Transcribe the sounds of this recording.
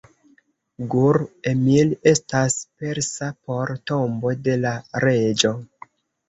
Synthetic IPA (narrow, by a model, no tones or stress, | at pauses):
ɡuɾemile̞staspe̞ɾsapo̞ɾtombo̞de̞laɾe̞d͡ʒo̞